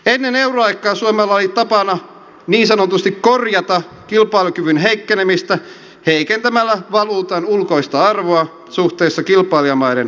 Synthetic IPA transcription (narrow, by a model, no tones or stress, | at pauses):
enːenewroɑjkːˑɑːsuomelːɑolit̪ɑpɑnɑ | niːnsɑnot̪ust̪ikkorjɑt̪ɑ | kilpˑɑilukyʋynɦeikːenemist̪æ | heikent̪æmælːæʋɑluːt̪ɑnulkoist̪ɑɑrʋoɑ | suht̪eːsːɑkilpˑɑːliɑmɑiden